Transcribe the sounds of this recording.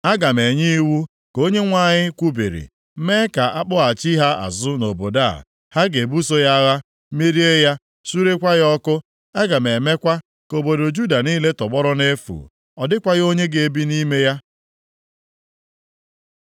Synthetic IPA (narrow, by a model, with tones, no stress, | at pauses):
a˦ɡa˨me˨ɲi˦wu˦ | ko˦ɲe˦ŋʷa˦˨ɲɪ˦kʷu˦bḭ˨ɾḭ˨˦ | me˦ka˨ʔa˦k͡pʊ˦a˨t͡ʃi˦ɦa˦a̰˨zʊ˦no˨bo˨da̰˦˨ | ha˦ɡe˨bu˦so˦ja˦ɣa˦ | me˦ɾi˦e˦ja˦ | su˦ɾe˦kʷa˦ɣɔ˦kʊ˦ | a˦ɡa˨me˨me˦kʷa˦ | ko˨bo˨do˨d͡ʒu˦da˨niː˦le˦tɔ˨ɡ͡bɔ˦ɾɔ˦ne˦fṵ˨ | ɔ˨dɪ˦kʷa˦ɣo˦ɲe˦ɡe˨e˦bi˦ni˦me˦ja˦